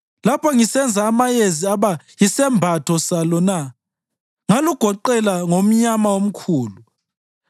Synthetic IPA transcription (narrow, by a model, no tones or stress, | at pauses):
lapʰɔŋisɛnd͡zʱaːmajeziaβa | jisɛmbʱatʰɔsalɔna | ŋaluɡ̥ʱɔǃɛlaŋom̩ɲamawom̩kʰuːlu